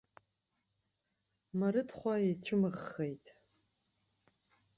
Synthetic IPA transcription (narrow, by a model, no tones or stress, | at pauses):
maɾɨdχʷajejt͡ɕʷʰʊmɨʁːejtʼ